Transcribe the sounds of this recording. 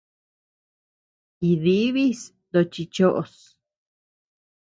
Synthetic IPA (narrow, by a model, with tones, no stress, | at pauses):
i˧˨ði˦βi˦s | d̪o˧t͡ʃi˧t͡ʃo˦ʔo˨˧s